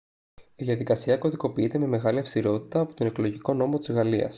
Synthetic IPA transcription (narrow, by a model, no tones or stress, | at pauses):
iðiɐðikɐsiɐko̞ðiko̞piit̪eme̞me̞ɣɐliɐfst̪iɾo̞t̪i̥t̪ɐːpot̪o̞ne̞klo̞ʝiko̞no̞mo̞t̪izɣɐliɐ̰s